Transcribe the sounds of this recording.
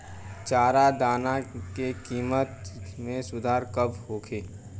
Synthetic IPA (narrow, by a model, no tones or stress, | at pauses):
t͡ʃaːɾad̪aːnakekiːmət̪mẽsʊd̪ʱaːɾkəbhoːkʰeː